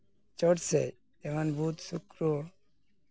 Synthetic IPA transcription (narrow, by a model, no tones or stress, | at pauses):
t͡ʃɔʈse | emanbʱut̪sukɾo